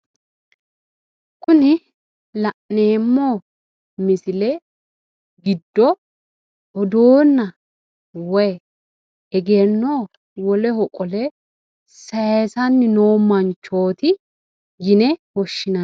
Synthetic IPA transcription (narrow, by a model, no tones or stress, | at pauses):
kʊnɪ | lɐʔneːmːoː | mɪsɪlɛ | ɡɪd̪ːɔ | ɔd̪oːnːɐ | wɔ | ɛɡenːoː | wɔlɛhɔkʼɔlɛ | sɐesɐnːɪnoːmɐnt͡ʃːo̞ːt̪ɪ | ɡɪnɛwɔʃːɪnɐ